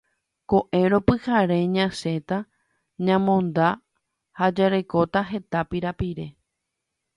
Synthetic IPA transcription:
ko̞ʔe̞ɾo̞pɨhaɾe̞ɲãse̞t̪a | ɲãmõ̞nd̪a | had͡ʒaɾeko̞t̪aɦe̞t̪apiɾapiɾe̞

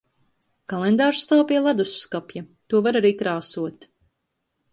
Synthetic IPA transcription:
kalˠɛnd̪aːɾst̪awpʲiɛlˠad̪usskapjat̪uɔvaɾaɾiːkɾaːsuɔt̪

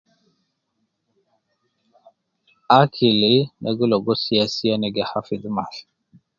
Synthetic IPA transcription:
akʰilinʔaɡiloɡosiasianeɡɛhafidma̰ɬ

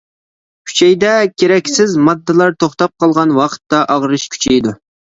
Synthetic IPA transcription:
kʲʰy̥t͡ʃʰɛjd̪ɛkʲʰeɾɛkʲsɪzmɑd̪ːɨlˠɑɾt̪ʰoχt̪ɑp̚qʰɑlˠʁɑnwɑqʰə̥t̪ːɑʔɑʁɾɨʃkʲʰy̥t͡ʃʰɛjd̪u

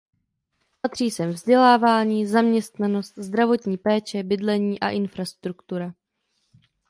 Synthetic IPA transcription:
pat̪r̥iːsɛmvzɟɛlaːvaːɲiːzamɲɛst̪nano̞st̪zd̪ɾavo̞t̪ɲiːpɛːt͡ʃɛbɪdlɛɲiːʔaʔɪnfɾast̪ɾukt̪uɾa

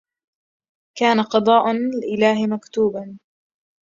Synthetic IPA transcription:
kaːnaqɑd̪ˤɑːʔɪlʔɪlaːɦɪmakt̪uːban

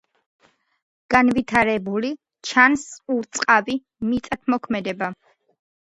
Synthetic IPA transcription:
ɡ̥anvit̪ʰaɾɛbuli | t͡ʃʰansuɾt̪sʼqʼavi | mit̪sʼat̪̚ʰmɔkʰmɛd̪ɛba

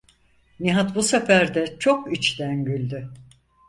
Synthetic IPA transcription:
niɦat̪busefæɾd̪ɛt͡ʃʰo̞kit͡ʃt̪ænɟylʲd̪y

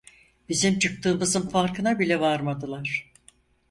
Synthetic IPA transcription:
bizimt͡ʃʰɯk̚t̪ɯːmɯzɯmfaɾkʰɯnabilʲɛvaɾmad̪ɯlˠaɾ̥

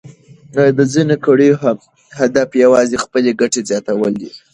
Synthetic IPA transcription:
d̪əzinekaɽi | had̪afjawɑzexpəleɡaʈezjɑt̪awəld̪i

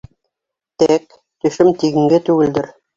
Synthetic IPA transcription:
t̪æk | t̪ɵ̆ʃɘmt̪iɡɘ̆ŋɡɘt̪ʉɡɘ̆ld̪ɘɾ

